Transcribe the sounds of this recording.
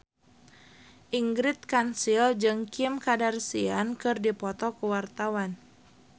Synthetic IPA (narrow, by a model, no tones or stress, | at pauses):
ʔiŋɡɾɪt̪̚kansild͡ʒɨŋkimkadarsiankɨrdipɔt̪ɔkuwart̪awan